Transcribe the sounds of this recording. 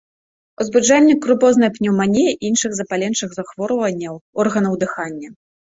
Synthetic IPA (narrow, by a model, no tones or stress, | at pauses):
uzbud͡ʐanʲːɐkɾupɔznɐjpnʲiwmanʲejɛʔinʂɨɣzɐpalʲɛnt͡ʂɨɣzaxvɔɾvɐnʲːɐwɔrɣɐnɐwd̪ɨxanʲːɐ